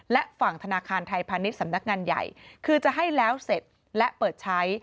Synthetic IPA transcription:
lɛ˦˥ʔfa˨˩ŋt̪ʰa˧naː˧kʰaː˧nt̪ʰa˧jpʰaː˧ni˦˥t̪̚sa˩˦mna˦˥k̚ŋaː˧nja̰˨˩jkʰɯː˧t͡ɕa˨˩ʔɦa˥˩jlɛː˦˥wse˨˩t̪̚ | lɛ˦˥ʔpɤː˨˩t̪̚t͡ɕʰa˦˥j

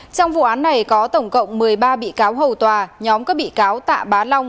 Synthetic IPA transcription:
t͡ɕɔ˧wŋ͡mvṵ˧˨ʔaː˨˦nːa˨˩jkɔ˨˦t̪ə˧˩wŋ͡mkə̰˧˨wŋ͡mmɨ˨˩əjɓaː˧ɓḭ˧˨kaː˨˦wɦə˨˩wt̪waː˨˩ɲɔ˨˦mkɔː˨˦˥ɓḭ˧˨kaː˨˦wt̪a̰ː˧˨ɓaː˨˦la˧wŋ͡m

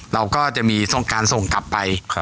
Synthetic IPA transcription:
ɾa˧wkɔː˥˩t͡ɕa˨˩ʔmiː˧so˥˩ŋkaː˧nso˨˩ŋkla˨˩pːa˧j

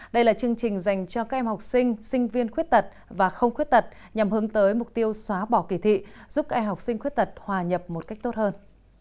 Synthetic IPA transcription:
ɗə˧jlaː˨˩t͡ɕɨ˧əŋt͡ɕï˨˩ŋ̟za˨˩jŋ̟t͡ɕɔ˧kaː˦˥k̚ʔɛ˧mha˨˩wk͡p̚sï˧ŋ̟sï˧ŋ̟vi˧ənxwət̚t̪ə˨˩t̚vaː˨˩xə˧wŋ͡mxwi˦˥t̚t̪ə˨˩t̚ | ɲa˨˩mhɨ˨˦əŋt̪əː˨˦jmʊ˨˩k͡p̚t̪i˧əwswaː˨˦ɓɔ˧˩ki˧˩t̪ʰḭ˧˨z̥u˦˥p̚kaː˦˥kʔɛ˧mɦa˨˩wk͡p̚sï˧ŋ̟xwi˦˥t̚t̪ə˨˩t̚hwaː˨˩ɲə˨˩p̚mo˨˩t̚ka˦˥k̚t̪o˦˥t̚həː˧n

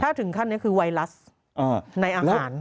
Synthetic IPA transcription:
t̪ʰaː˥˩t̪ʰɯ˨˩˦ŋkʰa˥˩nːi˦˥kʰɯː˧wa˧jla˦˥s | ʔaː˧˩na˧jʔaː˧haː˩˦n

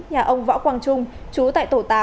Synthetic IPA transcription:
ɲaː˨˩ʔə˧wŋ͡mvɔ̰ː˧˥wkwaː˧ŋt͡ɕʊ˧ŋ͡mt͡ɕu˨˦t̪a̰ː˧˨jt̪o˧˩t̪aː˨˦

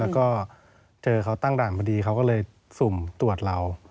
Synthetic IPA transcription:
ɛː˦˥wkɔː˥˩ | t͡ɕɤː˧kʰa˦˥wt̪a˥˩ŋdaː˨˩npʰa˧diː˧kʰa˦˥wkɔː˥˩lɤː˧j | su˨˩mt̪u˨˩ət̪̚ɾa˧w

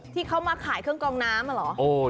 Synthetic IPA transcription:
t̪ʰiː˥˩kʰa˦˥wmaː˧kʰaː˨˩˦jkʰɯ˥˩əŋkɔː˧ŋnaː˦˥mʔa˧lɔː˩˦ʔoː˧˩

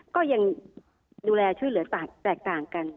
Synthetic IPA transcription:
kɔː˥˩ja˧ŋ | duː˧lɛː˧t͡ɕʰu˥˩jlɯ˩˦ɐ˦t̪aː˨˩t̪ɛː˨˩k̚t̪aː˨˩ŋka˧n

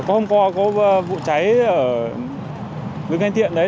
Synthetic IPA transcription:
kɔ˨˦hə˧wŋ͡mkwa˧kɔ˨˦˧vṵ˧˨t͡ɕa˨˦jʔəː˧˩ | ɗɨ˨˦ŋha˧jŋt̪ʰḭ˧˨ənɗə˨˦

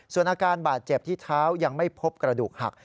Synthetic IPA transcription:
su˨˩ənʔaː˧kaː˧nbaː˨˩t̪̚t͡ɕe˨˩p̚t̪ʰiː˥˩t̪ʰaː˦˥wja˧ŋma˥˩jpʰo˦˥p̚kɾa˧duː˨˩k̚ha̰˨˩k̚

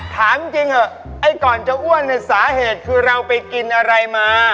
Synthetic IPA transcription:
t̪ʰaː˨˩˦mt͡ɕi˧ŋʔə˨˩ | ʔa˧˩jkɔː˨˩nt͡ɕa˨˩ʔu˥˩ənna˧˩saː˩˦heː˨˩t̪̚kʰɯː˧ɾa˧wpa˧jki˧nʔa˧ɾa˧jmaː˧

